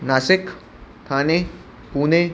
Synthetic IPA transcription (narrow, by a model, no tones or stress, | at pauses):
naːsɪk | t̪ʰaːne | puːne